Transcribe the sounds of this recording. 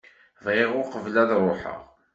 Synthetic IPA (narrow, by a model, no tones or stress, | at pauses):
vʁɪʁʊqəvlæðɾˤʊħə̰ʁ